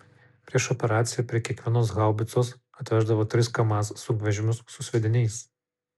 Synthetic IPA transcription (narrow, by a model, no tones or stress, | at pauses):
pʲɾʲiɛʃɔpʲɛɾɑːt̪sʲɪjɛːpʲɾʲiɛkʲiɛkʋʲiɛnoːs̬ɣɑʊbʲɪt̪soːs | ɐt̪ʲʋʲæʒd̪ɐʋoːt̪ʲɾʲɪskɐmɑːssʊkʋʲɛʒʲɪmʲʊsːʊsʲʋʲɛd̪ʲɪnʲɛɪs